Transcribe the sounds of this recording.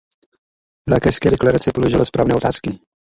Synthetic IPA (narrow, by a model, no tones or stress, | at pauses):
lakɛskɛːdɛklaɾat͡sɪpoloʒɪlaspɾa̰ːvnɛːʔo̞t̪aːskɪ